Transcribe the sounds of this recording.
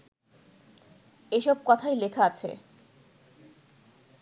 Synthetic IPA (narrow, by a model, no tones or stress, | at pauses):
eʃɔb̚kɔt̪ʰajlekʰaat͡ɕʰḛ